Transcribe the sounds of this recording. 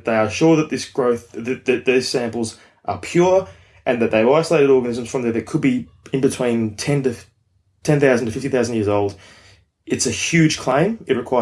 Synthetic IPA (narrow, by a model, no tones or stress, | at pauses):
ðeɪə˞ʃʊɹðət̪̚ðɪsɡ̥ɹoʊθðɨt̪̚ðɨt̪̚ðiz̥sæ̃mpl̩ˠz | ʔə̰˞pʰj̥ʊɹ | ʔɨ̃nðɨt̪̚ðeɪaɪsəleɪɾɨɾɔɹɡɨnɪzɨ̃mz̥fɹʌ̃mðə˞ðɨkʰəd̚bi | ɨ̃nbɨtʰw̥ĩntʰɛ̃ntɨ | tʰɛ̃nθaʊzndəfɪftiθaʊzn̩jɪɹzoʊlˠd | ɨtsɨhjʉd̥ʒ̥kʰl̥ẽɪ̃mɨt̚ɹɨkʰw̥aɪ